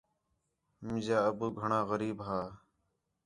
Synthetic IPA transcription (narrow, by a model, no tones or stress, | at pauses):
mɪzaːəbuːɡʱəɳãːɣəɾiːbɦaː